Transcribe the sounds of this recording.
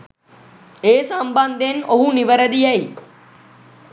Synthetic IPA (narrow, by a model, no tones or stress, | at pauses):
eːsəmband̪ʱenoɦuniʋəɾəd̪iai